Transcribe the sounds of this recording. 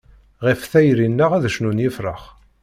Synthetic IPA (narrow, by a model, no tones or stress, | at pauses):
ʁifθæjɾinːəʁæðʃnunjɪfɾə̰χ